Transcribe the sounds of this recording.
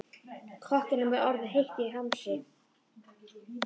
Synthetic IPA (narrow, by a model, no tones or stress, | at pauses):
kʰvɔhkɪnʏmvɛɾɔɾðʏɦejht̪ɪiɦamsɪ